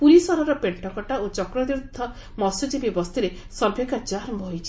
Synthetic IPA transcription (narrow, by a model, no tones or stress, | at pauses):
puɾisɔɾɔɾɔpeɳʈɔkɔʈaot͡ʃɔkɾɔd̪ɾud̪ʱːɔ | mɔsud͡ʒibibɔst̪iɾe | sɔɾbʱjekad͡ʒaɾɔmbɔɦojt͡ʃʰi̥